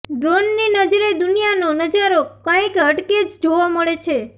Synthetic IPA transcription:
ɖɾonːinəd͡ʒɾed̪unijanonəd͡ʒaɾokə̃kəʈked͡ʒd͡ʒoʋoməɭet͡ʃʰe

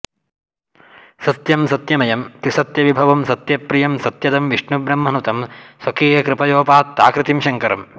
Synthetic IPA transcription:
sɐt̪jɐmsɐt̪jɐmɐjɐmt̪isɐt̪jɐʋibʱɐʋɐmsɐt̪jɐpɾijɐmsɐt̪jɐd̪ɐmʋiʂɳubɾɐmːɐnut̪ɐmswɐkeːjɐkɾɪpɐjoːpaːt̪ːa̰ːkɾit̪imʃɐŋkɐɾɐ̰m

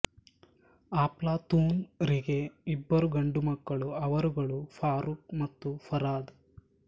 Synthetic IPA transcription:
aːplaːt̪uːnɾiɡeibːɐɾuɡɐɳɖumɐkːɐɭuɐʋɐɾuɡɐɭufʰaːɾuk̚mɐt̪ːufʰɐɾaːd̪

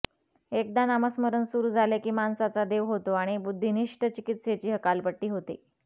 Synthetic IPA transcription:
ek̚d̪anaməsməɾənsuɾuːd͡zʱalekiːmansat͡sad̪eʋɦot̪oaɽ̃ibud̪ʱːiniʂʈət͡ɕikit̪set͡ɕiːɦəkalpəʈːiːɦot̪ḭ

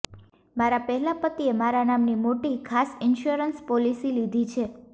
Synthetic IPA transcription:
maɾapəɦɛlapət̪iemaɾanamnimoʈikʰasɪnʃoɾənspɔlisilid̪ʱit͡ʃʰe

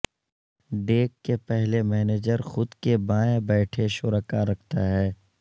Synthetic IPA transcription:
ɖeːkːepɛɦlemɛːneːd͡ʒəɾxʊd̪kebaːẽbɛːʈʰeʃʊɾəkaɾɐkʰt̪aɦɛː

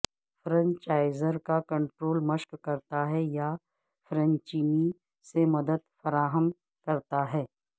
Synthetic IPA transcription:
fɾə̃ɲt͡ʃaːɪzəɾkakɐ̃ɳʈɾoːlməʃkkɐɾt̪aɦɛja | fɾə̃nt͡ʃiːni | semɐd̪əd̪fɐɾaːɦəm | kɐɾt̪aɦɛː

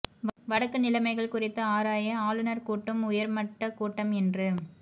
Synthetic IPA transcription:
ʋɐɽɐkːɯnɪlɐmɐɪɣɐɭkʊrɪt̪ːɯaːɾaːjɐaːlɯnɐɾkuːʈːɯmʊjɐɾmɐʈːɐkuːʈːɐmɛndrɯ

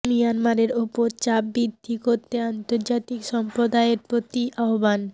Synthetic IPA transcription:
mijanmaɾeɾupoɾt͡ɕabbːid̪ʱːikoɾt̪ːeant̪oɾd͡ʑat̪ikʃɔmpɾod̪aeeɾpɾot̪iʔaoban

